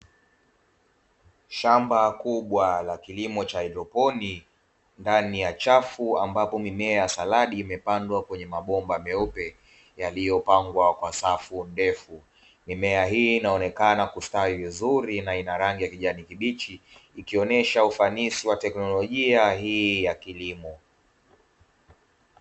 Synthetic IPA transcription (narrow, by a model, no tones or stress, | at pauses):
ʃambakuɓwalakilimɔt͡ʃaɛɾɔpɔni | ndanijat͡ʃafuambapɔmimɛaasalaɗiːmɛpandwakwɛɲɛmaɓɔmbamɛɔpɛ | jalijɔpaŋɡwakwasafundɛfu | mimɛaɦiːnaɔnɛkanakustaivizuɾinainaɾaŋɡijakiʄanikiɓit͡ʃiːkiɔnɛʃaufanisiwatɛknɔlɔʄiaɦiːjakilimɔ